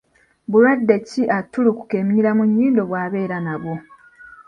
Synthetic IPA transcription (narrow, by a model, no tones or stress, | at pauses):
βulwadːe̞ciʔatːuluku̥ke̞miɲiɾamuɲːiːndo̞βwaːβe̞ːɾanaβwo